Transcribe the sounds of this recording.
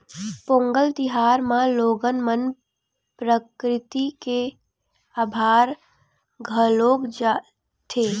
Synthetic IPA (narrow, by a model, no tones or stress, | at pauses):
põːŋɡəlt̪ɪɦaːɾmãloːɡənmən | pɾəkɾɪt̪ike | aːbʱaːɾ | ɡʱəloːɡd͡ʒa | t̪ʰeː